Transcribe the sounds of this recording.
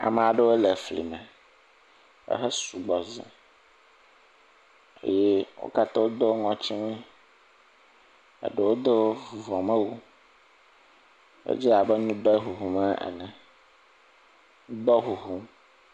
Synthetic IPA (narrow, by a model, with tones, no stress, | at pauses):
a̰˨mɛ̃˨a˨ɖe˦wo˦lɛ˨flḭ˨mɛ̃˨ | ḛ˦ɦɛ˦su˨ɡ͡bɔ˨zɛ̰̃˨ | ḛ˦je˦wo̰˦ka˦t̪ɔ˦wo˦d̪o˦wo˦ŋɔ̃˦t͡ɕi˦ŋẽ˦ | ḛ˨ɖe˨wo˦d̪o˦vu˨vɔ̃˨mɛ̃˦wu˦ | ḛ˦d͡ʑi˦a˨bɛ˦nũ˦bɛ˦ɦu˨ɦu˨mɛ˦ʔɛ̰˨nɛ̃˨ | ŋũ˦d̪ɔ˦ɦu˨ɦu˦m˦